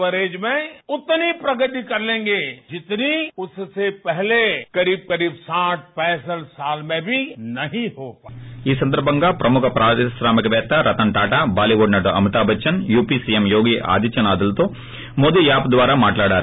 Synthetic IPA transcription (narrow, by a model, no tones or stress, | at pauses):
əɾeːd͡ʒmẽʊt̪ːnipɾɐɡət̪ikɐɾlẽːŋɡed͡ʒɪt̪niʊsːepɛɦlekɐɾiːb̚kɐɾiːbsãːʈ̚ʰpɛːsəlsaːlmẽbʱinɐɦĩɦoːiːsɐnd̪ɐɾbʱɐŋɡaːpɾʔɐmukʰɐpɾʔaːisɾaːmikɐʋɛːt̪ːɐɾɐt̪ɐɳʈaːʈaːbaːliʋoːɖnɐʈuɐ̰muʈ̪aːbʱɐt͡ʃːɐnjuːpisijemjoːɡiːʔa̰ːd̪iːt͡ʃɐnaːd̪ɐlt̪oː | moːd̪ijaːpd̪ʋaːɾaːmaːʈlaːɽaːɾu